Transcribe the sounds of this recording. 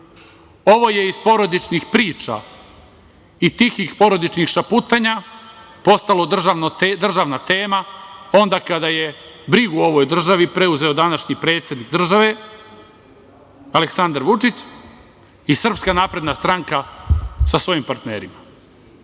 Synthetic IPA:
o̞ʋo̞je̞izspo̞ɾo̞d̪it͡ʃnixpɾiːt͡ʃa̰ | it̪ixixpo̞ɾo̞d̪it͡ʃnixʃaput̪aɲa | po̞st̪alo̞d̪rʒanod̪r̩ʒaʋnat̪e̞ːmao̞nd̪akad̪aje̞bɾiɡuo̞ʋo̞jd̪r̩ʒaʋipɾe̞uze̞od̪anaʃɲipɾe̞ːt̪sʲje̞d̪nik̚d̪r̩ʒaʋe̞ | aleksand̪aɾʋut͡ʃit͡ɕ | isr̩pskanaːpɾe̞d̪nast̪ɾaŋkasasʋo̞jimpaɾt̪ne̞ːɾima

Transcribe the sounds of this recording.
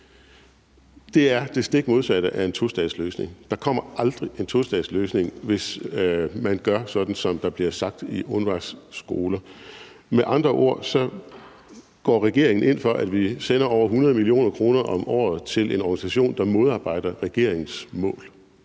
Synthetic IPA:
d̥e̝æɐd̥e̝sd̥e̝ɡ̥mo̝ð̞ˠsæd̥əʔæe̝nt͡sʰo̝sd̥ɛðˠsløːsne̝ŋd̥ɑ̈kʰɒ̽m̰ɐʔɑ̈ld̥ʁiʔe̝nt͡sʰo̝sd̥ɛ̰ðˠsløːsne̝ŋʋe̝s | mænɡ̥ɶɐsɒ̽d̥n̩sɒ̽md̥ɑ̈b̥liɐsɑ̈ɡ̥̚d̥iʔɔ̽nʋɑ̈sɡ̥o̝ːlɐ | meʔɑ̈nd̥ʁɐʔo̝̰ɐ̰sɒ̽ | ɡ̥ɒ̰ːʁɛɡ̥e̝ɐ̰e̝ŋn̩ʔe̝n̰fɒ̽ʔæd̥ʋisen̰ɐɒʊ̰ɐɦunɐð̞ˠəmilio̝̰ːnɐkʰʁo̝ːnɐʔɒ̽mɒ̰ːð̞̩ˠt͡sʰe̝le̝nɒɡ̥ænisæɕo̝̰ːnd̥ɑ̈mo̝ð̞ˠɑ̈ːb̥ɑ̈ɪ̰d̥ɐʁɛɡ̥e̝ɐ̰eŋn̩smɔ̰̽ːl

